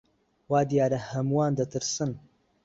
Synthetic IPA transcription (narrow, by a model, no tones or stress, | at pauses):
waːd̪ijaːɾɐhɐmwaːnd̪ɐt̪ʰɨɾsɨn